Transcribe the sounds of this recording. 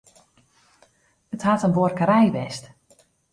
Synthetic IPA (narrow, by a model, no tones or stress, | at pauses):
əthatənʋorkəɾɛjʋɛst